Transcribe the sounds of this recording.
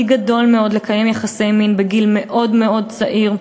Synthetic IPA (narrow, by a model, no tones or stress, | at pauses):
iɡado̞lmeo̞d̪lekaje̞mjaχase̞jminbeɡilmeʔo̞dme̞o̞dt͡saʔiʁ